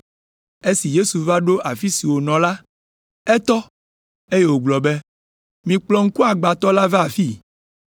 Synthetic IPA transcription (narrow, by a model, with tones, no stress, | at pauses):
e˦si˨je˦su˨va˦ɖo˦ʔa˨fi˦si˨wo˨nɔ̃˨la˦ | ɛ˦t̪ɔ˦ | e˦je˦˨wo˨ɡ͡blɔ˨bɛ˦ | mĩ˨k͡plɔ˨ŋ̩˦ku˦a˨ɡ͡ba˨t̪ɔ˦la˦va˦˨fi˦˨